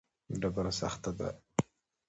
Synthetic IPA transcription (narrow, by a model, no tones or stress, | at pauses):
ɖabaɾasa̰xt̪ad̪a̰